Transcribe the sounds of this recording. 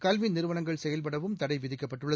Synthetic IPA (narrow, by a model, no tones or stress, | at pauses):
kɐlʋɪnɪɾɯʋɐnɐŋɡɐɭsɛjɐlp̬ɐɽɐʋɯmt̪ɐɽɐɪʋɪðɪkːɐpːɐʈːɯɭːɐ